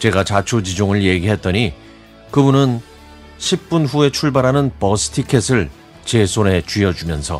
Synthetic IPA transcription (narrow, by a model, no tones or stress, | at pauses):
t͡ɕe̞ɡat͡ɕat͡ɕʰod͡ʑid͡ʑoŋɯɭje̞ɡiɦet̚t͈ʌɲi | kɯbunɯn | ɕʰip̚p͈unɸue̞t͡ɕʰuɭbaɾɦanɯnpʌsʰɯ̥tʰikʰe̞sʰɯɭ | t͡ɕe̞sʰone̞t͡ɕɥiʌd͡ʑumjʌnsʰʌ̰